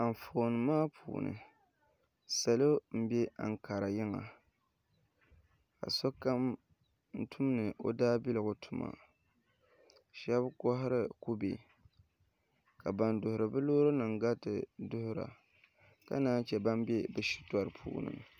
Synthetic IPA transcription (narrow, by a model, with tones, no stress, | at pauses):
a˨m˨fo˨nɨ˨maː˦pʰṵː˨nɨ̰˨ | sa˨lo˦m̩˦be˦a˨ŋ˨ka˨ɾa˨jɪ˦ŋa̰˨ | ka̰˨so˦ka˦m | n̩˦tʰu˦m˦nɨ˨ʔo̰˦daː˦bi˦lɨ˨ɡʊ˨tʰu˨ma̰˨ | ʃɛ˦bkɔ˦ɦɪ˦ɾɨ˦ku˦bḛ˨ | ka˨ba˨ndʊ˨hʊ˨ɾɨ˨bɨ˦loː˦ɾo˦nɨ˨ŋɡa˦tɨ˨dʊ˦hʊ˦ɾa̰˨ | ka̰˦naː˦n˦t͡ʃɛ˨ba˦m˦bɛ˦bɨ˨ʃi̥˦tɔ˨ɾɨ˨pʰṵː˨nɨ̰˦ŋ